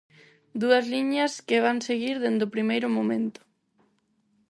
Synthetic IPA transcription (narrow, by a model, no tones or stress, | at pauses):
d̪uɐzliɲɐskɪβ̞aŋseɣiɾðend̪ʊpɾimejɾʊmomẽnt̪ʊ̥